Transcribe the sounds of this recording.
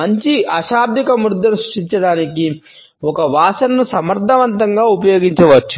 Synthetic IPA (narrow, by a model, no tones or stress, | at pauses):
mɐɲt͡ʃiʔɐʃaːb̚d̪ʱikɐmɾud̪ʱːɐnusɾu̥ʂʈiɲt͡ʃɐɽaːniki | ɔkɐʋaːsɐnːusɐmɐɾd̪ʱːɐʋɐnt̪ɐŋɡaːupɐjoːɡiɲt͡ʃɐʋɐt͡ʃːu̥